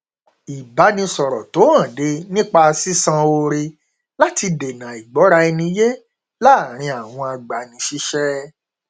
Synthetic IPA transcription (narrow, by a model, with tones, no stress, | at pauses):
i˨ba˨˦nĩ˧sɔ˨ɾɔ˨to˨˦ã˦˨de˧˦nĩ˦k͡pa˧si˦sã˧o˧ɾe˧ | la˦ti˧de˨nã˨i˨ɡ͡bɔ˨˦ɾa˧i˧nĩ˧je˦ | la˦˨ɾ̃ĩ˧a˨w̃ɔ̃˧a˧ɡ͡ba˨nĩ˧ʃi˦ʃɛ˦